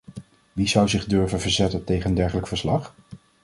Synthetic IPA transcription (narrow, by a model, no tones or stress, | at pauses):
ʋizʌwzɪχdɵɹvənvəɹzɛtəntejχəəndɛɹχələkfəɹslɑχ